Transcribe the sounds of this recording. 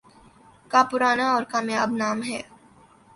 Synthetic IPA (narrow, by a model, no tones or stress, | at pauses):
kapʊɾaːnaɔːɾkaːmjaːbnaːmɦɛː